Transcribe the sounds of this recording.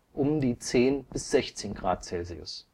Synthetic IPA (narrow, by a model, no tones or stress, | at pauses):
ʔʊmdiːt͡seːnb̥ɪsz̥ɛçt͡seːnɡʁa̰ːt̚t͡sɛlziʊ̰s